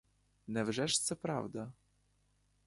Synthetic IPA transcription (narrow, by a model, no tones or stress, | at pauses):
nɛvʐɛʂt̪sɛpɾa̰vd̪a